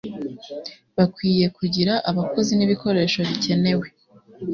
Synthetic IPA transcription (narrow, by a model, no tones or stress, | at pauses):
βakwiːje̞kuɟiɾaʔaβako̞ziniβiko̞ɾe̞ːʃo̞βice̞ne̞we̞